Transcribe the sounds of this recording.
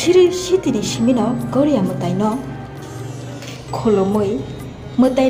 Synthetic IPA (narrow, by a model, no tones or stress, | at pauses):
siɾisitinisiminɔɡɔɾijamɯtajnɔ | kʰolɔmɯj | mɯta